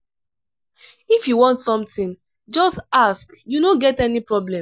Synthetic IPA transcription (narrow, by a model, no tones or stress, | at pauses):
ifjuwɔ̃ntsɔ̃mtĩn | d͡ʒɔstaskjunoɡɛtɛnipɹɔblɛ̃m